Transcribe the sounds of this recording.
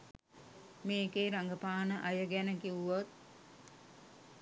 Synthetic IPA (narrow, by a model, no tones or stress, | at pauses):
meːkeːɾaŋɡəpaːnəʔajəɡænəkiʋuʋot̪̚